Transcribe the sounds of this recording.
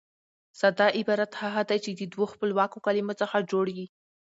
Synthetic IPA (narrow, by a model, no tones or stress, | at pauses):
sad̪ɑʔɪbɑɾat̪haɣad̪ajt͡ʃed̪əd̪woxpəlwɑkokalimot͡səxad͡ʒoɽwi